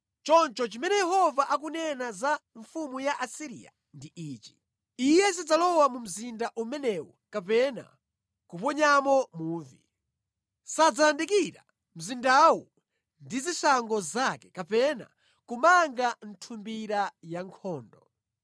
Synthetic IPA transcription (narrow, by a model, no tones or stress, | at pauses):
t͡ʃɔnt͡ʃɔt͡ʃimɛnɛjɛhɔvaʔak̬unɛnazaɱfumujaʔasiɾḭa̰ | ndiʔiːt͡ʃi̥ | ijɛs̬id͡zalɔwamum̩zindaʔumɛnɛwɔkapɛna̰ | kupɔɲamɔmuːvḭ | sad͡zaandikiɾa̰ | m̩zindawu | ndizisaŋɡɔzakɛkapɛna̰ | kumaŋɡan̩tʰumbiɾajaŋkʰɔːndɔ